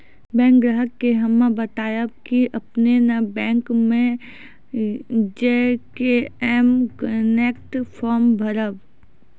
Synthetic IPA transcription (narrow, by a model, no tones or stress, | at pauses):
bɛ̃ːŋk̚ɡɾəɦəkːeɦɐmãbət̪aːjakiʔɐpnenabɛ̃ːŋkmẽ | d͡ʒekeɛmkəneːkʈpʰɔːɾmbʱəɾəb